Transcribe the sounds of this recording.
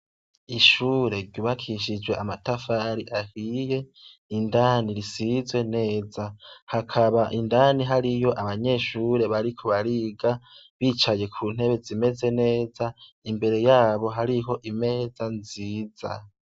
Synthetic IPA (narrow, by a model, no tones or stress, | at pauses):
iʃuːɾe̞ɾɟuβakʰiʃid͡ʒwe̞ʔamatafaɾiʔahije̞ | indaːniɾisizwe̞ne̞ːzahakʰaβaʔindaːniɦaɾijo̞ʔaβaɲe̞ʃuːɾe̞βaɾikʰo̞βaɾiɡa | βiːt͡ʃaje̞kʰuːn̥e̞βe̞zime̞ze̞ne̞ːza | imbe̞ɾe̞jaːβo̞ɦaɾiɦo̞ʔime̞ːzanziːz̥a̰